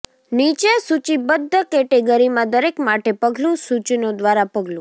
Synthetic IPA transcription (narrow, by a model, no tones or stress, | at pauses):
nit͡ʃesut͡ʃibəd̪ʱːəkeʈeɡəɾimãd̪əɾekmaʈepəɡlũsut͡ʃnod̪ʋaɾapəɡlũ